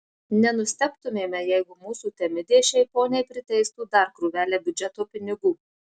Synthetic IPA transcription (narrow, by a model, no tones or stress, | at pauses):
nʲɛnʊsʲt̪ʲɛpt̪ʊmʲeːmʲɛjɛɪɡʊmuːsuːt̪ʲɛmʲɪd̪ʲeːʃʲɛɪpoːnʲɛɪpʲɾʲɪt̪ʲɛɪst̪uːd̪ɐɾkɾuːʋʲæːlʲeːbʲʊd͡ʒʲɛt̪oːpʲɪnʲɪɡuː